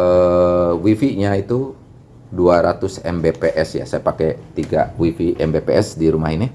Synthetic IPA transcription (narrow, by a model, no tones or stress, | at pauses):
əwifiɲait̪u | duaɾat̪ʊsɛ̰mbepeʔɛsja̰sajapakɛt̪iɡawifiʔɛmbepeɛsdiɾumaɦini